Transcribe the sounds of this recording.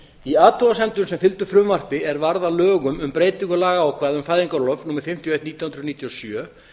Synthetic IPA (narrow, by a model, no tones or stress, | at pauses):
iaːt̪ʰɔasɛnt̪ʏnsɛmfɪlt̪ʏ̥fɾʏmvar̥pɪɛɾvaɾðalœːɣʏmʏmpɾeːjt̪ɪŋkʏlaːɣaːwkʰvaːðʏmfaːjðiŋkaɾlœvnuːmaɾ̥fɪm̥t̪jɔejht̪niːt̪jɔhʏnɾðniːt̪jɔsjœː